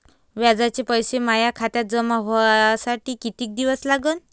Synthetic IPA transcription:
ʋjad͡zat͡ɕepəjɕemajakʰat̪jat̪̚d͡zəmaɦasaʈiːkit̪iːk̚d̪iʋəslaɡən

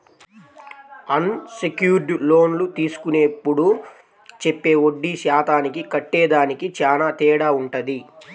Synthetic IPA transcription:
ɐnsekjuːɾɖlo̞ːnlut̪iːsu̥kuneːpːuɽu | t͡ʃepːe̞ːoɖːiʃaːt̪ʰaːnikikɐʈːɛːd̪aːnikit͡ʃaːnaːt̪ɛːɽaːuɳʈɐd̪i

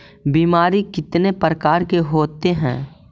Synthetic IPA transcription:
biːmaːɾikɪt̪nepɾəkaːɾkeɦoːt̪eɦɛ̰̃ː

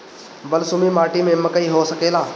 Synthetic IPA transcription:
bəlsʊmimaːʈimẽməkəiɦosəkeːlaː

